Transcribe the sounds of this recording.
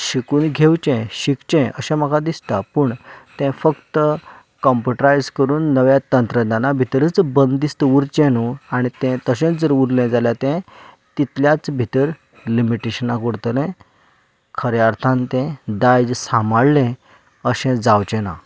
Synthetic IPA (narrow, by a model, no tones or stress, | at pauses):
ɕikuːnɡʱewt͡ɕɛ̃ɕikt͡ɕɛ̃əɕɛ̃m̤əkʰad̪ist̪apəɳt̪ɛ̃fəkt̪ə | kɔmpəʈɾajd͡zkəɾuːnːəʋjat̪ənt̪ɾəd̪anabʱit̪əɾət͡sbənd̪ist̪əuɾt͡ɕɛ̃nuaɽ̃it̪ɛ̃t̪əɕɛ̃t͡sd͡zəɾuɾlɛ̃d͡zaljat̪ɛ̃ | t̪it̪ljat͡sbʱit̪əɾ | limiʈeɕənakuɾt̪lɛ̃ | kʰəɾjaɾt̪ʰãnt̪ɛ̃d̪ajd͡ʑsamaɽlɛ̃ | əɕɛ̃d͡zawt͡ɕɛ̃na̰